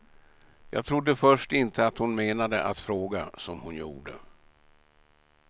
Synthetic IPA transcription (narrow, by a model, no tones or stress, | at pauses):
jɑːɡ̚t̪ʰɾʊd̪ːəfœʂʈɪnt̪ʰəat̪hʊnmeːnad̪əʔat̪fɾoːɡasɔmhʊnjṵːɖə̰